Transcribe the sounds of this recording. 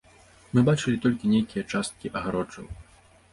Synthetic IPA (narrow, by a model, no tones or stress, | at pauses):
mɨbat͡ʂɨlʲit̪ɔlʲkʲinʲejkʲijɐt͡ʂast̪̚kʲiʔɐɣaɾɔt͡ʂɐ̰w